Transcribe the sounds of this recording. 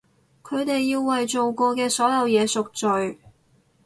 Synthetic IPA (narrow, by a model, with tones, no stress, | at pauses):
kʰɵ˨˧ɥt̪e˨jːiː˧wːɐ˨jt͡so˨wkɔː˧kɛː˧sɔː˨˥jɐ˨˧wjɛː˨˧sʊ˨k̚t͡ʃɵ˨ɥ